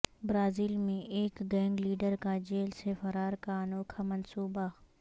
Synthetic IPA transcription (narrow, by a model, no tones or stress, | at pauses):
bɾaːziːlmẽʔeːkɡɛ̃ːŋɡliːɖəɾkad͡ʒeːlsefɐɾaːɾkanoːkʰamɐnsuːba